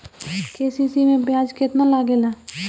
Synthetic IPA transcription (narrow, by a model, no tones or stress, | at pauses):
keːsisimẽbjaːd͡ʒkɪt̪nalaɡelaː